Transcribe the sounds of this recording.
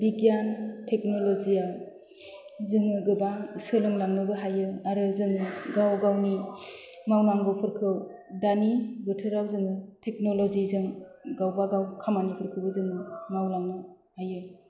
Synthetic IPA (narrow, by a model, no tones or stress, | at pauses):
biɡjantʰek̚nɔlozija | zɯŋɯɡɯbasɯlɯŋlaŋnɯbɯɦajɯaɾɯzɯŋɯɡawɡawni | mawnaŋɡɯwpʰɯɾkʰɯw | danibɯtʰɯɾawzɯŋɯtʰek̚nolɔzizɯŋɡawbaɡawkʰamanipʰɯɾkʰɯwbɯzɯŋɯmawlaŋnɯ | hajɯ